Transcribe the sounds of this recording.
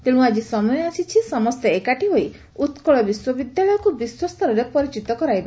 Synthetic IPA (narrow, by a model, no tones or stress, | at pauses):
t̪eɽ̃ũad͡ʒisɔmɔjɔasit͡ʃʰisɔmɔst̪eekaʈiɦoj | ut̪kɔɭɔbiswɔbid̪jaɭɔjɔkubiswɔst̪ʰɔɾɔɾepɔɾit͡ʃit̪ɔkɔɾajba